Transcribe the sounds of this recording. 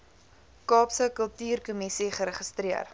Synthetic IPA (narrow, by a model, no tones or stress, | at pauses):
kɑːpsəkəlˠtyːrkumisiχəɾəχəstɾiər